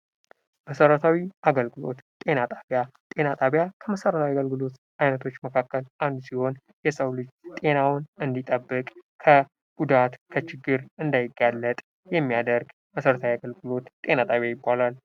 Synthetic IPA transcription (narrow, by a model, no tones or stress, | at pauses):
məsəɾət̪ʰawiʔaɡəlɡɨlo̞̰t̪t̪ʼe̞nat̪ʼaβjat̪ʼe̞nat̪ʼaβjakʰəməsəɾət̪ʰawjiaɡəlɡɨlo̞t̪ | ʔajnət̪ʰo̞t͡ʃːməkʰakːəlʔand̪usiho̞n | jɛsəwlɨd͡ʒt̪ʼe̞nawnɨnd̪it̪ʼəbːɨkʼkʰə | ɡ̥ud̪at̪kʰət͡ʃɪɡːɨɾɨnd̪ajɪɡːalːət̪ʼ | jɛmːijad̪əɾɡ | məsəɾət̪ʰawiaɡəlɡɨlo̞t̪ːʼe̞nat̪ʼaβjajɪbːalal